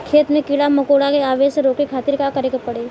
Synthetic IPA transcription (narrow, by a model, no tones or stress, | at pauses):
kʰeːt̪mẽkɪɽamɐkoːɽakeaːʋeːʃseɾoːkekʰaːt̪ɪɾkakɐɾekepɐɽeː